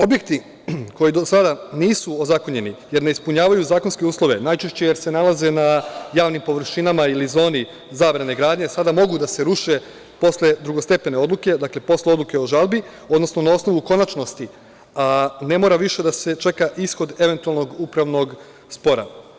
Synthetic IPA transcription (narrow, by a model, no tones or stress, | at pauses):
o̞bje̞k̚t̪i | ko̞jid̪osad̪aniːsuozako̞ɲe̞nije̞ɾneispuɲaːʋajuzaːko̞nske̞uːslˠo̞ʋe̞najt͡ʃe̞ʃt͡ɕe̞jeɾse̞nalˠaze̞najaːʋnimpo̞ʋɾ̩ʃinamailizo̞ːni | zaːʋɾane̞ɡɾaːd̪ɲe̞sad̪amo̞ɡud̪ase̞ɾuʃe̞ | po̞sle̞d̪ɾuɡost̪epe̞ne̞o̞d̪luke̞d̪akle̞po̞sleo̞d̪luke̞oʒalˠbi | o̞d̪no̞sno̞nao̞sno̞ʋuko̞nat͡ʃno̞st̪i | ane̞mo̞ɾaʋiʃe̞d̪ase̞t͡ʃe̞kaʔisxo̞d̪e̞ʋe̞nt̪ualˠno̞ɡupɾaʋno̞ɡ | spo̞ɾa̰